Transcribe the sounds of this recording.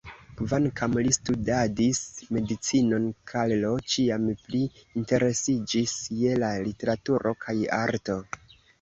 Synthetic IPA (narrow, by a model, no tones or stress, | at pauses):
kvankʰamlistudadisme̞dit͡sino̞nkʰallo̞t͡ʃiampliːnte̞ɾe̞sid͡ʒisje̞lalite̞ɾatuɾo̞kʰaja̰ɾto̞